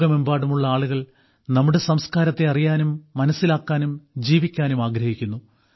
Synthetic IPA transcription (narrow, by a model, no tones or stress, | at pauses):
ɣɐmembaːɽumuɭːɐaːɭuɣɐɭ | nɐmːuɽe̞sɐmskaːɾɐt̪ːe̞ɐrijaːnumːɐnɐsːilaːkːaːnumd͡ʑiːʋikʲːaːnumaːɡɾɐhikʲːunːu